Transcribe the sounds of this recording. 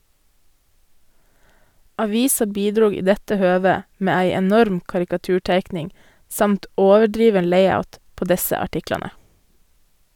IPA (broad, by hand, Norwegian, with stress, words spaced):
ˈɑʋɪsɑ ˈbiːdɾuː ˈiː ˈdɛtə ˈhøːʋə ˈmeː ˈæɪ ɛˈnɔɾm kɑɾɪkɑˈtʉːˌʈeɪknɪŋ ˈsɑmt ˈoːʋəˌɖɾiːʋən ˈleɪɑʉt ˈpoː ˈdɛsə ɑˈʈɪklɑnə